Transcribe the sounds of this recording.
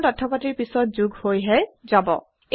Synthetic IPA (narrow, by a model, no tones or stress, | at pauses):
tɔtʰːɔpatiɹpisɔt̚zuɡhojɦɛzabɔ̰ | e